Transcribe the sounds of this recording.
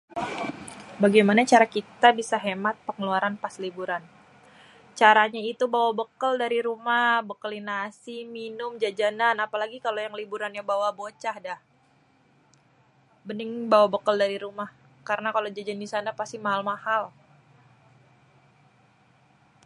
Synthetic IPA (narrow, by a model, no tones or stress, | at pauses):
baɡajmanat͡ʃaɾakit̪abisaɦemat̪̚pəŋəluaɾanpaslibuɾan | t͡ʃaɾaɲait̪ubawabəkəldaɾiɾumahbəkəlinasiminʊmd͡ʒad͡ʒananapalaɡikalojaŋlibuɾanjabawabot͡ʃahdah | bənɪŋbawabəkəldaɾiɾumah | kaɾənakalod͡ʒad͡ʒandisanapast̪imaɦalmahal